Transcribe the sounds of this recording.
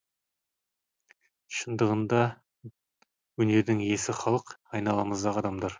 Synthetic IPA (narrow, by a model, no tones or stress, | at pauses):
ʃənd̪əʁənd̪ɑ | wɵne̞ɾd̪ɪŋe̞sɪχɑlˠəqɑjnɑlˠɑməzd̪ɑʁɑd̪ɑmd̪ɑɾ